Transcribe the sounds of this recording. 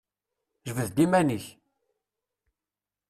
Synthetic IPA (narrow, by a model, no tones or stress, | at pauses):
ʒəvəðd̪imæniç